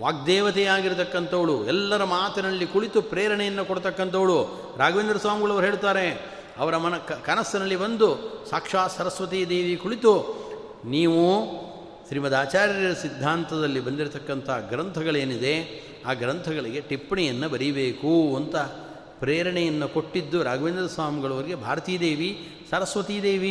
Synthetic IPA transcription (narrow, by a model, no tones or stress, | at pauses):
ʋaːk̚d̪ɛːʋɐt̪ɛjaːɡiɾut̪ɐkːɐnt̪ʰɐʋɐɽuɛlːɐɾɐmaːt̪ɐnɐlːikuɭit̪upɾɛːɾɐɳɛjɐnːɐkoɽt̪ɐkːɐnt̪ʰɐʋɐɭu | ɾaːɡɐʋend̪ɾɐsʋaːmɡɐɭɐʋɐɾɦeːɭut̪aːɾe̞ | ɐʋɐɾɐmɐnɐɐkɐnɐsːɐnɐlːibɐnd̪usaːkʂaːsɐɾɐsʋɐt̪ijɐd̪eːʋikuɭit̪u | niːʋu | sɾimɐd̪aːt͡ʃaːɾjɐɾɐsid̪ʱːaːnt̪ʰɐd̪ɐlːibɐnd̪iɾt̪ɐkːɐnt̪ʰɐɡɾɐnt̪ʰɐɡɐɭe̞ːnid̪e̞ | aːɡɾɐnt̪ʰɐɡɐɭiɡe̞ʈipːɐɳɛjɐnːɐbɐɾibeːkuɐnt̪ɐ | pɾeːjɾɐɳɛjɐnːɐkoʈːid̪ːuɾaːɡɐʋend̪ɾɐsʋaːmuɡɐɭɐʋɐɾiɡe̞bʱaːɾɐt̪iːjɐd̪e̞ːʋi | sɐɾɐsʋɐt̪iːjɐd̪eːʋi